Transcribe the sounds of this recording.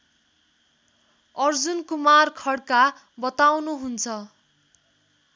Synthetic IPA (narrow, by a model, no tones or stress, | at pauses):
ʌrd͡zunkumarkʰʌɽka | bʌt̪awnuɦunt͡sʰʌ